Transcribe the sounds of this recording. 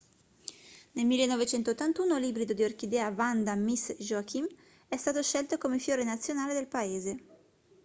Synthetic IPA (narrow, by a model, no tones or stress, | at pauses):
nelmilːenːɔvet͡ʃɛnt̪ot̪ːant̪uːnolibɾid̪od̪iork̟id̪ɛːavand̪amisʒoakʰim | ɛst̪aːt̪oʃɛlt̪okomefjoːɾenat̪sːjonaːled̪elpaeːze